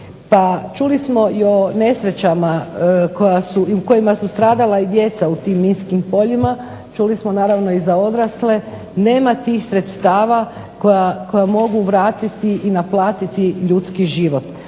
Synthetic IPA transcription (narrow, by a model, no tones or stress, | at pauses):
pat͡ʃulismo̞io̞ne̞sɾe̞t͡ɕamako̞jasuiuko̞jimasust̪ɾaːd̪alaid̪je̞t̪saut̪iːmːinskimpo̞ʎima | t͡ʃulismonaːɾaʋno̞izao̞d̪ɾasle̞ | ne̞ːmat̪iːxsɾe̞t̪st̪aːʋa | kojako̞jamo̞ɡuʋɾaːt̪it̪iʔinaplˠaːt̪it̪iʎut̪skiʒiʋo̞t̪